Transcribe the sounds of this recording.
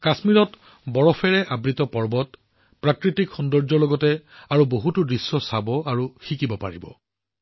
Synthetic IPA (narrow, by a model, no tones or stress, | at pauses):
kasmiɹɔt | bɔɹɔpʰɛɹɛʔabɹitɔpɔɹbɔt | pɹakɹitikxɔndɔɹd͡ʒɔɹlɔɡɔtɛaɹuboɦutudɹisːɔsabɔaɹuxikibɔpa̰ɹḭbɔ̰